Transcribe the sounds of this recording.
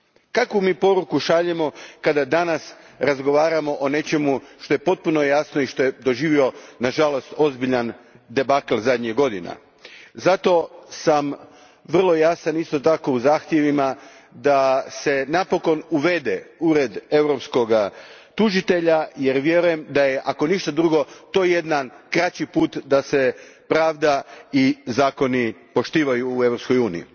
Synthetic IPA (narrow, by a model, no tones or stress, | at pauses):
kakʋumiːpo̞ɾukuʃaʎemo̞kad̪ad̪anas | ɾazɡo̞ʋaːɾamo̞ʔone̞t͡ʃe̞muʃt̪o̞je̞po̞t̪̚puno̞jasnoiʃt̪o̞je̞d̪o̞ʒiːʋio̞naʒalo̞st̪o̞zbiʎan | d̪e̞baklˠzad̪ɲeɡo̞d̪ina̰ | zat̪o̞sam | ʋr̩lˠo̞jasanist̪o̞t̪ako̞uzaːxt̪je̞ʋima | d̪ase̞napo̞ko̞nuʋe̞d̪e̞uɾe̞d̪e̞ʋɾo̞psko̞ɡat̪uʒit̪e̞ʎaje̞ɾʋje̞ɾuje̞md̪aje̞ʔako̞niʃt̪ad̪ɾuɡo̞t̪o̞ːje̞d̪nankɾat͡ɕipuːt̪d̪ase̞pɾaːʋd̪aizaːko̞nipo̞ʃt̪iːʋajuːe̞ʋɾo̞psko̞juːnḭḭ